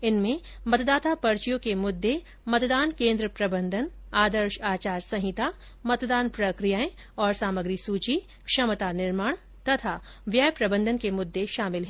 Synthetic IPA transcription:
ɪnmẽ | mɐt̪d̪aːt̪apɐɾt͡ʃijõkemʊd̪ːe | mɐt̪d̪aːnkẽːnd̪ɾəpɾɐbə̃nd̪ʱən | aːd̪əɾʃaːt͡ʃaːɾsɐ̃ɦɪt̪a | mɐt̪d̪aːnpɾɐkɾijaːẽ | ɔːɾsaːməɡɾisuːt͡ʃi | kʃɐmət̪anɪɾmaːɳ̃ | t̪ɐt̪ʰa | ʋjajpɾɐbə̃nd̪ʱənkemʊd̪ːeʃaːmɪlɦɛː

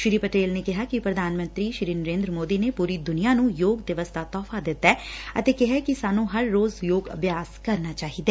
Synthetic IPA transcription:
ʃɪɾiːpəʈeːlnekɪɦaːkipɾəd̪ʱaːnmə̃nt̪ɾiːʃɪɾiːnəɾẽːnd̪ɾəmoːd̪iːnepuːɾiːd̪ʊnijaːnũːjoːɡd̪ɪʋəst̪ʰaːt̪ɔːfʰad̪ɪt̪ːaɛːə̰t̪eːkɪɦakisaːnũːɦəɾːoːzjoːɡə̰bjaːskəɾnaːt͡ʃaːɦid̪eː

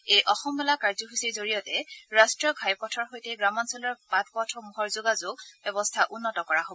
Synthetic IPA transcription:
ejʔɔxɔmbɛlakaɹzɔɦusiɹzoɹijɔtɛɹastɹiɔɡʱajpɔtʰɔɹɦojtɛɡɹamɔnsɔlɔɹpatpɔtʰɔmuɦɔɹzoɡazʊɡbɛbɔstʰaʔunːɔtɔkɔɹaɦobɔ

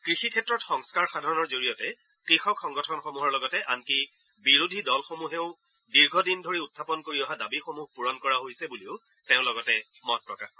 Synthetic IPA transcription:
kɹixikʰɛtɹɔtxɔŋskaɹxadʱaɹɔnɔɹzoɹijɔtɛ | kɹixɔkxɔŋɡɔtʰɔnxomuɦɔɹlɔɡɔtɛʔanki | biɹudʱidɔlxomuɦeʊ̃ | diɹɡʱɔdindʱoɹiutʰːapɔnkoɹiɔɦadabixomuɦpuɹɔnkɔɹaɦojsɛbuliʊ | tẽʊ̃lɔɡɔtɛmɔt̚pɹɔkax

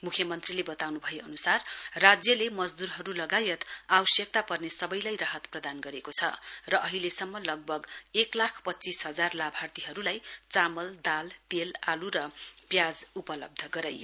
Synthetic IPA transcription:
mukʰjʌmʌnt̪rilebʌt̪awnubʱʌjeʌnusarrad͡zjʌlemʌd͡zd̪uɾɦʌɾulʌɡajʌt̪awʌsjʌk̚t̪apʌrnesʌbʌjlajraɦʌt̪prʌd̪anɡʌɾekot͡sʰʌ̰rʌʔʌɦilesʌmːʌlʌɡ̚bʱʌɡeklakʰpʌtːt͡sisɦʌd͡zarlabʱart̪iɦʌɾulajt͡samʌld̪alt̪elaluɾʌpjad͡zupʌlʌb̚d̪ʱʌɡʌɾajo

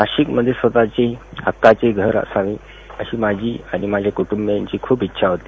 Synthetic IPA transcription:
naɕikməd̪ʱjesʋət̪at͡ɕeɦəkːat͡ɕeɡʱəɾə̰saʋĩː | əɕiːmad͡ʑʱiːaɽimad͡ʑʱjakuʈumbjaɲt͡ɕiːkʰuːpitːɕʰaɦot̪i

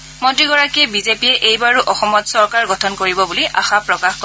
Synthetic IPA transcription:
motiɡɔɹakiɛbizepiɛʔejbaɹuʔɔxɔmɔtsɔɹkaɹɡɔtʰɔnkoɹibɔbuliʔa̰xapɹɔkaxkɔ

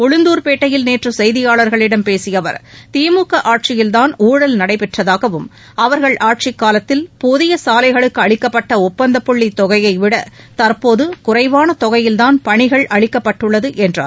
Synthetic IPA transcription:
ɔɻʊnd̪uːɾpeːʈːɐjɪlneːʈrɯsɛjðɪjaːɭɐɾɣɐɭɪɽɐmpeːsɪjɐʋɐ̰ɾt̪iːmuːkɐʔaːʈ̚t͡ʃɪjɪlt̪aːnuːɽɐlnɐɽɐɪpɛʈrɐðaːɣɐʋɯm | ɐʋɐɾɣɐɭʔaːʈ̚t͡ʃɪkːaːlɐt̪ːɪlpʊðɪjɐsaːlɐɪɣɐɭɯkːɯɐɭɪkːɐpːɐʈːɐɔpːɐnd̪ɐpːɔɭːit̪ɔɣɐjɐɪʋɪɽɐt̪ɐɾpoːðɯkʊrɐɪʋaːnɐt̪ɔɣɐjɪlt̪aːnpɐɳɪɣɐɭʔɐɻɪkːɐpːɐʈːɯɭːɐðɯʔɛndra̰ː

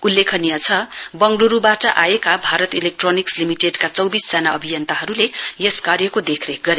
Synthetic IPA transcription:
ulːekʰʌnijʌt͡sʰʌbʌŋɡluɾubaʈʌʔajekabʱaɾʌt̪ilek̚ʈronikslimiʈeɖkat͡sʌwbisd͡zanaʌbʱijʌnt̪aɦʌɾulejeskarjʌkod̪ekʰreɡʌɾe

